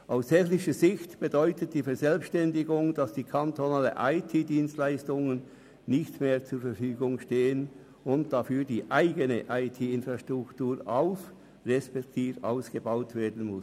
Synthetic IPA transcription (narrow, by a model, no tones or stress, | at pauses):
ʔaʊsɛçlɪçəzɪçtb̥ədɔʏtət̚d̥iːfɛɐzɛlpʃtɛndɪɡʊŋd̥ɑsd̥iːkʰantonaːləʔaɪtʰiːdiːnstlaɪstʊŋən | nɪçtmeːɐt͡suːɐfɛfyːɡʊŋʃteːən | ʊnt̚d̥afyːdiːʔaɪɡənəʔaɪtʰiːɪnfʁaʃtʁ̥ʊktuːʁa̰ʊf | ʁɛspɛktʰiːfa̰ʊsɡ̥əbaʊtv̥eːɐdn̩mʊs